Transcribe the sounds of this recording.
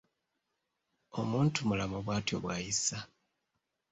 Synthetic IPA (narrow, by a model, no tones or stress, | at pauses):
o̞muːntumulamuβwaːtjo̞̰βwaːjisa